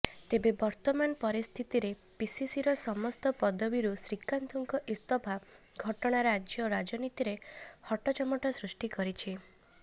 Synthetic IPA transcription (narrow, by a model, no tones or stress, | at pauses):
t̪ebebɔɾt̪ɔmanɔpɔɾist̪ʰit̪iɾe | pisisiɾɔsɔmɔst̪ɔpɔd̪ɔbiɾusɾikant̪ʰɔŋkɔʔist̪ɔbʱa | ɡʱɔʈɔɽ̃aɾad͡ʒjɔɾad͡ʒɔnit̪iɾehɔʈɔt͡ʃɔmɔʈɔsɾusʈikɔɾit͡ʃʰi